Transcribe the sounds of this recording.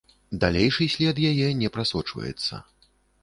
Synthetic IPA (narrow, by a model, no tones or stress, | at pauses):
d̪alʲejʂɨsʲlʲɛd̪jajɛnʲɛpɾasɔt͡ʂvɐ̰jɛ̰t̪sːɐ̰